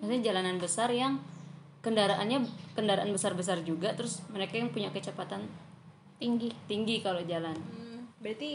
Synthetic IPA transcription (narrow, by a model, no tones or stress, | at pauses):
masɲd͡ʒalananbəsarjaŋ | kəndaɾaʔanɲakəndaɾaʔanbəsarbəs̬ard͡ʒuɡat̪əɾʊsməɾekajaŋpuɲakət͡ʃapat̪an | t̪iŋɡit̪iŋɡikalod͡ʒalanbɾit̪i